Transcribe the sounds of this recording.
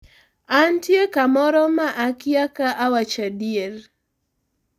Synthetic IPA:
antjekamɔɾɔmaʔakiakaʔawat͡ʃadieɾ

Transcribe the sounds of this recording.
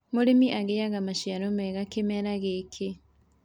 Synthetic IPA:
moɾemiʔaɣejaɣamaʃiaɾomɛɣakemɛɾaɣekʰe

